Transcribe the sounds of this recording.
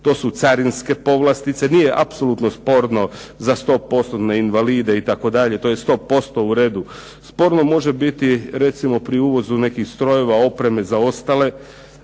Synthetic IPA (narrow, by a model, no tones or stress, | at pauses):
t̪o̞ːsut̪saɾinske̞po̞ʋlast̪it̪se̞niːjeʔapso̞lut̪no̞spo̞ɾno̞ | zast̪o̞po̞st̪ot̪neinʋaliːd̪e̞it̪ako̞d̪aʎe̞t̪o̞jest̪o̞po̞st̪o̞uɾe̞ːd̪u | spo̞ɾno̞mo̞ʒe̞bit̪iɾe̞t̪simo̞pɾiuːʋo̞zune̞kixst̪ɾo̞je̞ʋao̞pɾe̞me̞zao̞st̪ale̞